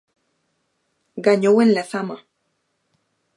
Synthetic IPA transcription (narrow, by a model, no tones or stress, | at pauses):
ɡaɲowenlaθama